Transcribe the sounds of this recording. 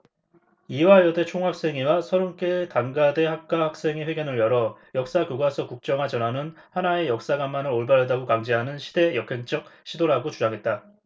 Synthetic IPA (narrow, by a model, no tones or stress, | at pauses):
iwajʌde̞t͡ɕʰoŋɦak̚s͈e̞ŋiwasʰʌɾunk͈etaŋɡade̞hak̚k͈ahak̚s͈e̞ŋeɸwe̞ɡjʌnɯɭjʌɾʌjʌk̚s͈akuɡasʰʌkuk̚t͡ɕ͈ʌŋɦad͡ʑʌnanɯnhanae̞jʌk̚s͈aɡamːanɯɾoɭbaɾɦadaɡokaŋd͡ʑeɦanɯnɕʰi̥de̞jʌkʰe̞ŋt͡ɕ͈ʌk̚ɕʰidoɾaɡot͡ɕud͡ʑaŋɦe̞t̚t͈a